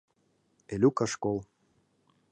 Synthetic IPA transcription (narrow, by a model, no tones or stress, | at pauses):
elʲukɑʃkolˠ